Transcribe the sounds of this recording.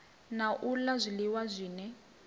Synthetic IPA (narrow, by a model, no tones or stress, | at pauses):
naʔulazʷiliwazʷiːnɛ